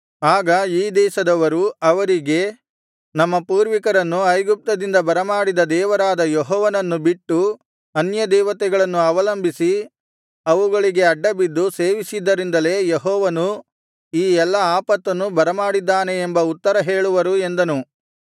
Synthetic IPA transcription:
aːɡɐiːd̪ɛːʃɐd̪ɐʋɐɾuɐʋɐɾiɡe̞ | nɐmːɐpuːɾʋikɐɾɐnːuɐjɡup̚t̪ɐd̪ind̪ɐbɐɾɐmaːɽid̪ɐd̪ɛːʋɐɾaːd̪ɐjeɦɔːʋɐnɐnːubiʈːu | ɐnjɐd̪ɛːʋɐt̪ɛɡɐɭɐnːuɐʋɐlɐmbʱisi | ɐʋuɡɐɭiɡe̞ɐɖːɐbid̪ːuseːʋisid̪ːɐɾind̪ɐle̞ːjeɦɔːʋɐnu | iːɛlːɐaːpɐt̪ːɐnːubɐɾɐmaːɽid̪ːaːne̞ːmbɐut̪ːɐɾɐɦe̞ːɭuʋɐɾue̞nd̪ɐnu

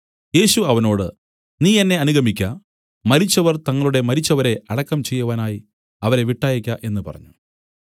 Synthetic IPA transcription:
je̞ːɕuɐʋɐno̞ːɽɨ | niːenːe̞ɐnuɣʱɐmikʲːɐ | mɐɾit͡ɕːɐʋɐrt̪ɐŋːɐɭuɽe̞mɐɾit͡ɕːɐʋɐɾe̞ɐɽɐkːɐmt͡ɕe̞jːuʋaːnaːji | ɐʋɐɾe̞ʋiʈːaːjikʲːɐʔe̞nːɨpɐ̰rɐ̰ɲːu

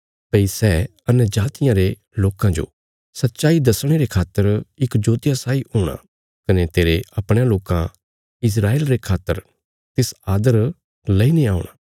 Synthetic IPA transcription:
pɐisɛ | ɐnjəd͡ʒaːt̪ɪjãɾe | loːkãd͡ʒo̰ | sɐt̪ːʃaːid̪ɐsɽ̃eɾekʰaːt̪ːəɾɪkd͡ʒoːt̪ɪjasaːiɦoːɽ̃a̰ | kɐnet̪eːɾeʔɐpɽ̃jãloːkã | ɪs̬ɾaːeːlɾekʰaːt̪ːəɾ | t̪ɪsaːd̪əɾ | lɐinĩaːʊɽ̃a̰ː

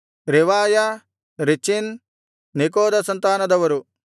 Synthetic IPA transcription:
ɾiʋaːjɐ | ɾit͡ʃinː | ikoːd̪ɐsɐnt̪aːnɐd̪ɐʋɐɾu

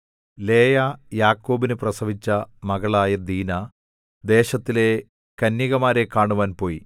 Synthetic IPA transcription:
le̞ːjaːjaːkːo̞ːbinɨprɐsɐʋit͡ɕːɐmɐɣɐɭaːjɐd̪iːna | d̪e̞ːɕɐt̪ːile̞ | kɐnjiɣɐmaːɾe̞kaːɳuʋaːnpo̞ːji

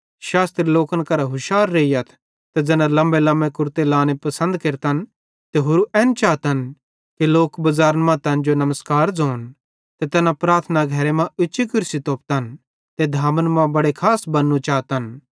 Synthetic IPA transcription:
ʃaːst̪ɾiloːkənkɐɾaɦʊʃaːɾːeːijat̪ʰ | t̪ed͡ʒɛːnãlɐ̃mbelɐ̃mbekʊɾt̪elaːnepɐsə̃nd̪keɾt̪ən | t̪eɦʊɾuʔɛːnt͡ʃaːt̪ən | kiloːkbɐzaːɾənmɐ̃t̪ɛ̃ːnd͡ʒonɐməskaːɾd͡zoːn | t̪et̪ɛːnãpɾaːɾt̪ʰnaɡʱɐɾemãʊːʃikʊɾsit̪oːp̚t̪ən | t̪ed̪ʱaːmənmãbɐɽekʰaːsbɐnːũt͡ʃaːt̪ən

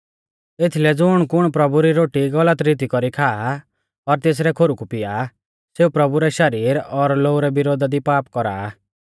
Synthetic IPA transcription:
et̪ʰilɛd͡zʊɽ̃kʊɽ̃pɾɔbuɾiɾoːʈiɡɔlət̪ɾit̪̬ikɔɾikʰaː | ɔɾt̪es̬ɾɛkʰoɾukupɪja | seupɾɔbuɾɛʃɐɾiːɾɔɾloːuɾɛbɪɾoːd̪ʱad̪ipaːpkɔɾa̰ː

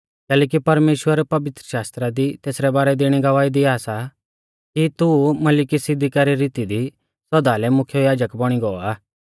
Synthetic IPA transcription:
kɛːlɛːk̬ipɐɾmeːʃwəɾpɐʋɪt̪ɾəʃaːst̪ɾad̪it̪eːsɾɛbaːɾɛd̪eːɽ̃iɡɐʋaːid̪iaːsa | kit̪umɐlɪkisɪd̪ʱikaɾiɾiːt̪id̪i | sɐd̪alɛmʊkʰjojaːd͡ʒəkbɔɽ̃iɡɔɔaː

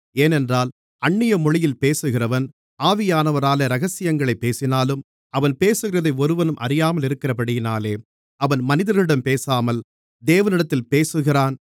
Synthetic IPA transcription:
eːnɛndraːl | ɐɳːɪjɐmɔɻɪjɪlpeːsɯɣɪrɐʋɐn | aːʋɪjaːnɐʋɐɾaːlɐɾɐɣɐsɪjɐŋɡɐɭɐɪpːeːsɪnaːlɯm | ɐʋɐnpeːsɯɣɪrɐðɐɪɔɾɯʋɐnɯmʔɐ̰ɾɪjaːmɐlɪɾɯkːɪrɐpɐɽɪjɪnaːleː | ɐʋɐnmɐnɪðɐɾɐɭɪɽɐmpeːsaːmɐl | d̪eːʋɐnɪɽɐt̪ːɪlpeːsɯɣɪraːn

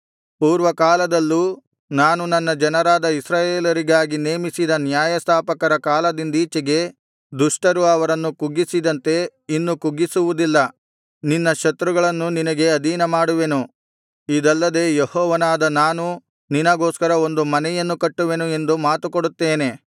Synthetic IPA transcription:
puːɾʋɐkaːlɐd̪ɐlːu | naːnunɐnːɐd͡ʒɐnɐɾaːd̪ɐisɾaːjeːlɐɾiɡaːɡine̞ːmisid̪ɐnjaːjɐst̪ʰaːpɐkɐɾɐkaːlɐd̪ind̪iːt͡ʃɐɡe̞ | d̪uʂʈɐɾuɐʋɐɾɐnːukuɡisid̪ɐnt̪e̞inːukuɡisuʋud̪ilːɐ | ninːɐʃɐt̪ɾuɡɐɭɐnːuninɐɡe̞ɐd̪iːnɐmaːɽuʋe̞nu | id̪ɐlːɐd̪e̞ːjehɔːʋɐnaːd̪ɐnaːnu | ninɐɡoːskɐɾɐo̞nd̪umɐnɛjɐnːukɐʈːuʋe̞nue̞nd̪umaːt̪ukoɽut̪ːe̞ːne̞

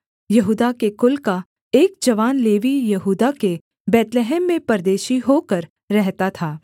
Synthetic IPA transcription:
jɐɦuːd̪akekʊlka | eːk̚d͡ʒɐʋaːnleːʋijɐɦuːd̪ake | bɛːt̪leɦɛːmːẽpɐɾd̪eːʃiɦoːkəɾː | ɛɦt̪at̪ʰaː

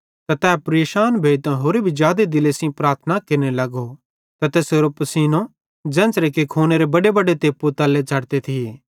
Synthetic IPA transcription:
t̪at̪ɛːpɾeːʃaːnbʱeːt̪ãɦoːɾebʱid͡ʒjaːd̪ed̪ɪleːsĩpɾaːɾt̪ʰnakeɾnelɐɡo | t̪ɐt̪eːsoːɾopɐsiːnõ | d͡ʒɛ̃ːnt͡ʃɾekikʰoːneɾebɐɖebɐɖet̪eːpːut̪ɐlet͡ʃʰɐɽt̪et̪ʰie

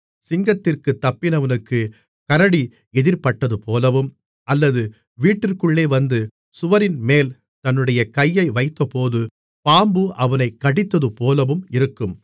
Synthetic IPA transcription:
sɪŋɡɐt̪ːɪrkɯt̪ːɐpːɪnɐʋɐnɯkːɯ | kɐɾɐɽi | ɛðɪɾpɐʈːɐðɯpoːlɐʋɯm | ʔɐlːɐðɯ | ʋiːʈːɪrkɯɭːeːʋɐnd̪ɯ | sʊʋɐɾɪnmeːl | t̪ɐnːɯɽɐjɐkɐjːɐɪʋɐɪt̪ːɐpoːðɯ | paːmbɯʔɐʋɐnɐɪkːɐɽɪt̪ːɐðɯpoːlɐʋɯmɪɾɯkːɯm

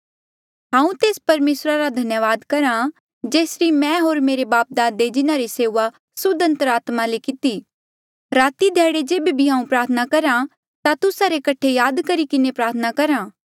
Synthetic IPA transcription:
ɦãːũt̪eːspɐɾmeːsɾaɾad̪ʱɐnjəʋaːd̪kɐɾã | d͡ʒeːsɾimɛ̃ɦoːɾmeːɾebaːp̚d̪aːd̪ed͡ʒɪnaɾiseːʋa | sʊd̪ə̃nt̪əɾaːt̪malekɪt̪i | ɾaːt̪id̪ʱɛːɽed͡ʒeːbebʱiɦãːũpɾaːɾt̪ʰnakɐɾã | t̪at̪ʊsaɾekɐʈʰejaːd̪kɐɾikɪnepɾaːɾt̪ʰnakɐɾãː

